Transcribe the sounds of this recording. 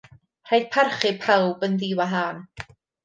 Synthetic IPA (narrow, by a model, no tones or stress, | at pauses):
r̥ajd̥̚pʰarχɪpʰawbənðiːwaɦaːn